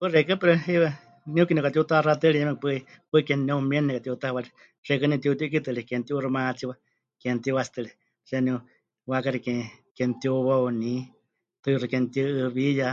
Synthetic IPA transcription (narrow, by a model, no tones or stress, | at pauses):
pɨrekɨpɨɾɨiwa | niukinikat̪iut̪arat̪ɨlijɛmɛkpɨipɨikennɛumienːɛkat̪iut̪ahβali | ʂekɨnĩt̪iut̪uʔk̬it̪ɨlikent̪iʔurɨmat͡siwa | kent̪iwasi̥t̪ɨli | ʂeniu | wakaɾikekent̪iuwauni | t̪ɨrɨkent̪iɨʔɨβija